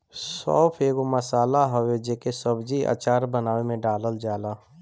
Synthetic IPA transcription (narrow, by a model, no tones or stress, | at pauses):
sɔ̰ːpʰeːɡoməsaːlaɦəwed͡ʒekesəbd͡ʒia̰ːt͡ʃaːɾbənaːwemẽɖaːləld͡ʒaːlaː